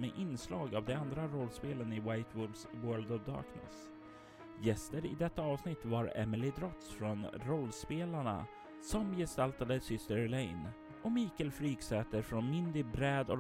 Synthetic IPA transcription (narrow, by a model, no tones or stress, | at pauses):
mɛʔɪnslɑːɡavd̪ɛand̪ɾaɾɔlːspeːlənɪwajt̪ʰwʊd̪swœːld̪ɔvd̪ɑ̰ːɾknə̰s | jɛst̪əɾɪ̰d̪ɛt̪ːaɑːvsnɪt̪ːvaɾɛ̰mɪlɪd̪ɾɔt̪sfɾɔnɾɔlːspeːlaɳa̰ | sɔmjɛst̪alt̪ad̪əsʏst̪əɾlɛjn | ʔɔmiːkəlfɾiːksɛːt̪əɾfɾɔnmɪnd̪əbɾɛːd̪ɔ